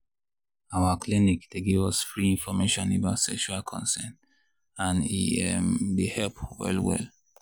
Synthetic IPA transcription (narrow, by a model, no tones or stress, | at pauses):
awaklinikdeɡivɔsfɹiĩnfɔmeʃɔ̃nobaʊtsɛkʃualkʰɔ̰̃nsɛ̃n | ãnḭɛmdehɛlpwɛ̰lwɛ̰l